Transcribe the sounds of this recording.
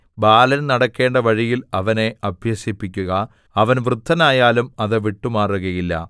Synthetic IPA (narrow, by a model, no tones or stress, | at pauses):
baːlɐnnɐɽɐkːe̞ːɳɖɐʋɐɻijilɐʋɐne̞ɐbʱjɐɕipːikʲːuɣɐ | ɐʋɐnʋrɨd̪ʰʱːɐnaːjaːlumɐðɨʋiʈːumaːruɣɐjilːɐ̰